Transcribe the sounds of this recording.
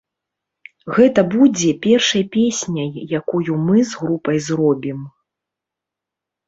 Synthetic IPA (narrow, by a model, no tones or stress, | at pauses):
ɣɛt̪ɐbud͡zʲɛpʲɛrʂɐjpʲesʲnʲɐjːakujumɨzɣɾupɐjzrɔbʲim